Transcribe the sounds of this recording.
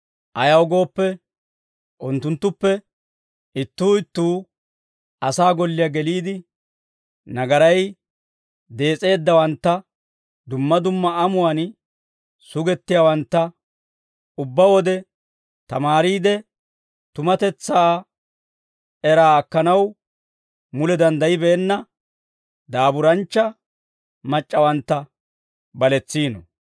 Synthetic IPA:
ʔɐjɐwɡo̞ːpːɛ | ʔʊnt̪ːʊnt̪ːʊpːɛ | ɪt̪ːuːɪt̪ːuː | ɐsaːɡɔlːɪjɐɡɛliːd̪ɪ | nɐɡɐɾɐj | d̪e̞ːt͡sʼe̞ːd̪ːɐwɐnt̪ːɐ | d̪ʊmːɐd̪ʊmːɐɐmʊwan | sʊɡɛt̪ːɪjawɐnt̪ːɐ | ʊbːɐwɔd̪ɛ | t̪ɐmaːɾiːd̪ɛ | t̪ʊmɐt̪ɛt͡sːaː | ɛɾaːɐkːɐnɐw | mʊlɛd̪ɐnd̪ɐjɪbɛːnːɐ | d̪aːbʊɾɐnt͡ʃːɐ | mɐt͡ʃʼːɐwɐnt̪ːɐ | bɐlɛt͡sːiːnɔ̰

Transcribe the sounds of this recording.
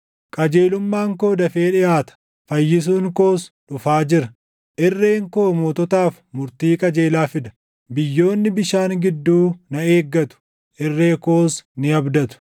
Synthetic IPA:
kʼɐd͡ʒe̞ːlʊmːaːŋko̞ːd̪ɐfeːᶑɪjaːt̪ɐ̥ | fɐjːɪs̬uːŋko̞ːsᶑʊfaːd͡ʒɪɾɐ | ʔɪrːeːŋko̞ːmoːt̪ɔt̪aːf | mʊɾt̪iːkʼɐd͡ʒe̞ːlaːfɪd̪ɐ̥ | bɪjːo̞ːnːɪbɪʃaːŋɡɪd̪ːuːnɐe̞ːɡːɐt̪ʊ̥ | ʔɪrːe̞ːkoːsnɪɐbd̪ɐt̪ʊ̥

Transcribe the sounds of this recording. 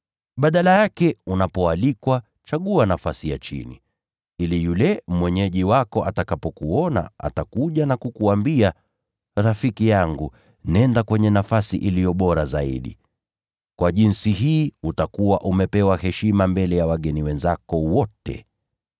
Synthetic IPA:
ɓaɗalajakɛunapɔalikwa | t͡ʃaɠuanafasijat͡ʃḭnḭ | ilijulɛmwɛɲɛʄiwakɔʔatakapɔkuɔna̰ʔa̰takuʄanakukuambia | ɾafikijaŋɡu | nɛndakwɛɲɛnafasiʔilijɔɓɔɾazaḭɗḭ | kwaʄinsiɦiːutakuwaʔumɛpɛwahɛʃimambɛlɛjawaɠɛniwɛnzakɔwɔtɛ̰

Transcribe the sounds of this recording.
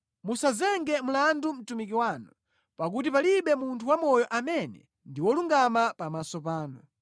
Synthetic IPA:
musazɛŋɡɛm̩landum̩tumik̬iwaːnɔ | pak̬ut̬ipaliɓɛmuntʰuwamɔjɔʔamɛnɛ̰ | ndiwɔluŋɡamapamasɔpaːnɔ

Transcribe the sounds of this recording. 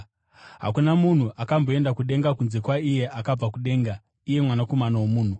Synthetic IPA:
ɦa̰kunamun̤uʔakambo̞e̞ndakuɗe̞ŋɡakunze̞kwaije̞ʔakab͡vakuɗe̞ːŋɡa | ije̞mwanako̞manawomuːn̤u

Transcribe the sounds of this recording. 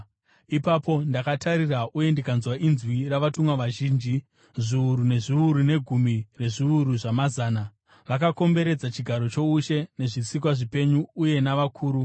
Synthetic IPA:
ipapo̞ndakatʰaɾiraʔuje̞ndikanzwaʔinzwiraʋatumwaʋaʒiːnd͡ʒi | ʐiuɾune̞ʐiuɾune̞ɡʱumire̞ʐiuɾuʐamazaːna | ʋakako̞mbe̞ɾe̞d͡zat͡ʃiɡʱaɾo̞t͡ʃo̞uʃe̞ne̞ʐisik̬waʐipe̞ɲuːje̞naʋakʰuːɾu

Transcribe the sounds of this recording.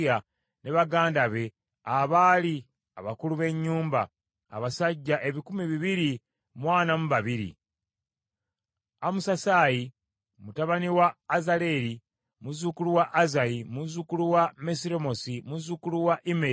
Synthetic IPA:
ja | ne̞βaɡaːndaβe̞ | aβaːli | a̰βakuluβe̞ɲːuːmba̰ː | βasaɟːaʔe̞βikumiβiβiɾi | mwaːnamuβaβiɾḭ | amusasaːji | mutaβaniwaːzale̞ɾi | muzukuluwaʔːzajimuzukuluwame̞siɾemo̞simuzukuluwaʔime

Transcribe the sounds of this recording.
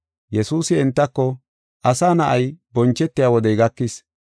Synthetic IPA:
jɛsuːsɪɛnt̪ːɐkːɔ | ʔɐsaːnɐʔɐjbɔnt͡ʃːɛt̪ːɪjaːwɔd̪ɛjɡɐkːɪs

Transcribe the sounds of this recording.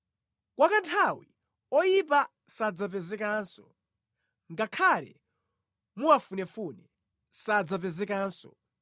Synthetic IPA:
kwakantʰawi | ɔjip̬a | sad͡zap̬ɛzɛkansɔ | ŋɡakʰalɛ̰ | muafunɛfunɛ | sad͡zap̬ɛzɛkaːnsɔ̰

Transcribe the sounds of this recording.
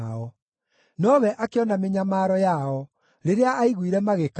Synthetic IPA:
ɔ | nɔβɛʔakeɔnameɲamaːɾɔjaɔ | ɾeɾeaːiɣwiɾɛmaɣek

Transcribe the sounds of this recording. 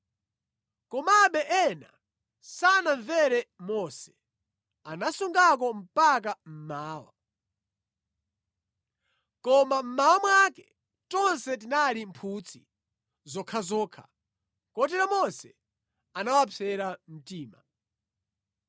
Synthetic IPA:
kɔmaɓɛʔɛna̰ | sanaɱvɛɾɛmɔsɛ̥ | anasuŋɡak̬ɔm̩pak̬am̩maːwa̰ | kɔmam̩mawamwakɛ | tɔnsɛt̬inalimpʰuːt͡sʰi | zɔkʰazɔːkʰa̰ | kɔt̬ɛɾamɔsɛ | anawapʰɛɾam̩tiːma

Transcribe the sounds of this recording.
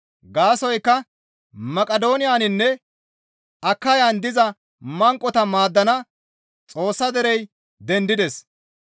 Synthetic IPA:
ɡaːsɔjkːɐ | mɐkʼɐd̪o̞ːnɪjaːnɪnːɛ | ɐkːɐjaːnd̪ɪzɐ | mɐŋkʼːɔt̪ɐmaːd̪ːɐnɐ | t͡sʼo̞ːsːɐd̪ɛɾɛj | d̪ɛnd̪ɪd̪ɛs

